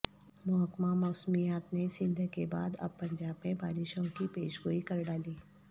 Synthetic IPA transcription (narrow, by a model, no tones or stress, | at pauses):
mʊɦəkmamɔːsmijaːt̪nesɪ̃nd̪ʱkeba̰ːd̪ɐ̰b̚pɐ̃ɲd͡ʒaːbmẽbaːɾɪʃõkipeːʃɡoːikɐɾɖaːliː